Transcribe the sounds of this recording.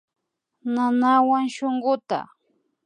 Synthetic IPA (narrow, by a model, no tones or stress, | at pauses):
nanawaŋʃoŋɢʊt̪a̰